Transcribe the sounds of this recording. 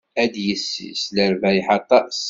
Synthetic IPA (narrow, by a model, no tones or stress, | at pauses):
æd̪jəsːḭsləɾvæjħɑt̪ˤːɑs